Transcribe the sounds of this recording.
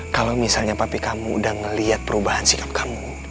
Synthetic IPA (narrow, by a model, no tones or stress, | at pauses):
kalamisalɲapapikamṵːdahŋəliat̪̚pəɾubahansikḁp̚kʰamu